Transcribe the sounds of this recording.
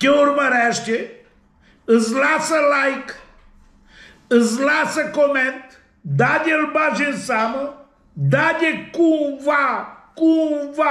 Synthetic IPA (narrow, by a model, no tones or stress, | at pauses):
keuɾmɐɾɛʃt̪ʲe | əzlasɐlajk | əzlasɐkomẽnt̪ | d̪aɲʲelbaʒẽsamɐ | d̪adʲekũvakũva